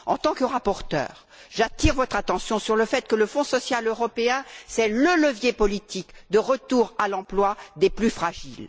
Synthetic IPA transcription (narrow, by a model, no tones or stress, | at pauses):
ɑ̃t̪ɑ̃kəʁapɔʁt̪œ̰ːʁ | ʒat̪iʁvɔt̪χat̪ɑ̃sjɔ̃syʁləfɛt̪kələfɔ̃sɔsjaløʁɔpeɛ̃sɛlələvjepɔlit̪ikd̪əʁət̪uʁalɑ̃plwad̪eplyfχaʒil